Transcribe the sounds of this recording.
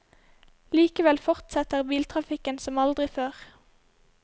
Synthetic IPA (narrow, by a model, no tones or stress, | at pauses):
liːkəʋɛlfɔʁt̪sɛt̪əʁbiːlt̪ʰʁɑfɪkənsɔmɑld̪ʁɪføːʁ